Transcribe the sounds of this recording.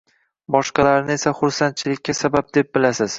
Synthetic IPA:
bɒʃqɑlaɾnɪe̞saχʊɾsant̪̚t͡ʃʰɪlɪkʲːasabap̚d̪e̞p̚bɪlasɪz̥

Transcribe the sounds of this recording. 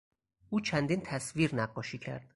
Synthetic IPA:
ʔuːt͡ʃʰænd̪int̪ʰæsviːɾnæɢːɒːʃiːcʰæ̰ɾd̪̥

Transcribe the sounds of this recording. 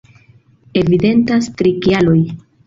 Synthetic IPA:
e̞vide̞ntastɾikialo̞j

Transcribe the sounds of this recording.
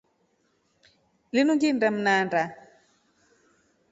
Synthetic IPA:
linuŋɡindam̩nanda

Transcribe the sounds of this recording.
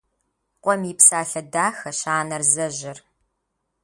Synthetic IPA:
qʷʼɔmiːpsaːɬɐdaːxɐɕaːnɐrzɐʒɪr

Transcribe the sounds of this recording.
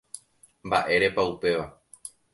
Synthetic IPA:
mbaʔe̞ɾe̞paupe̞ʋa

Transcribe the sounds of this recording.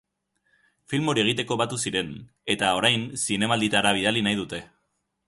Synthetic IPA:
filmo̞ɾie̞ɣ̞it̪e̞ko̞βat̪usiɾe̞n | e̞t̪ao̞ɾajnsine̞mald̪it̪aɾaβ̞ið̞alinajð̞ut̪e̞

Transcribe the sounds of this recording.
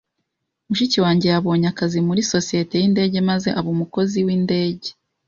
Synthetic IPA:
umuʃiciwaːɲɟe̞jaβo̞ːɲakazimuɾiso̞sije̞te̞jinde̞ːɟe̞maze̞ʔaβuːmuko̞ziwinde̞ːɟe̞

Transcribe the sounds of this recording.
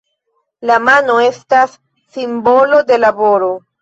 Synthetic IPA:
lamano̞e̞stasː | imbo̞lo̞de̞labo̞ɾo̞

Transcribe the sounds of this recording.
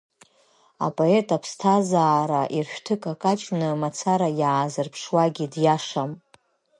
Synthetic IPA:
a̰pʼo̞e̞tʼapʰstʰazaːɾaʔirʃᶣtʰɨkʼakʼat͡ʃʼnɨmat͡sʰaɾajaːzɨrpʰʂwaɡʲidjaʂam

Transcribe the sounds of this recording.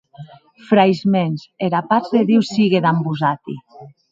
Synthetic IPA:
fɾajzmenzeɾapazðeðiwsiɣeðambuzat̪ḭ

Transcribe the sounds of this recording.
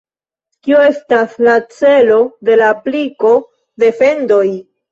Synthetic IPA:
kio̞e̞staslat͡se̞lo̞de̞lapliko̞ | de̞fe̞ndo̞j

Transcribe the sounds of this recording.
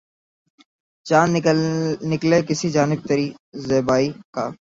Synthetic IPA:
t͡ʃaːn | nɪkleːkɪsiːd͡ʒaːnɪb̚t̪əɾiːzeːbaːiːkaː

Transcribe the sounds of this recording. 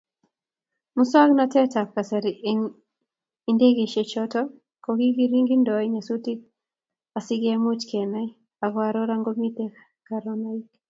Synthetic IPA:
mʊswaknatɛtakasɛɾ | indeɡeʃet͡ʃɔtɔ | koɡiɡiɾiŋɡindɔɛɲasutik | asɪɡɛmut͡ʃkɛnɛ | aɡwaɾɔɾaŋɡomitek | kaɾɔnaik

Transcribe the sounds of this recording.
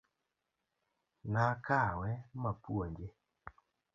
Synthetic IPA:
nakawɛmapwoɲd͡ʒe

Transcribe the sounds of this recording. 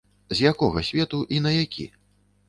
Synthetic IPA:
zʲjakɔɣɐsʲvʲɛt̪uʔinɐjakʲḭ

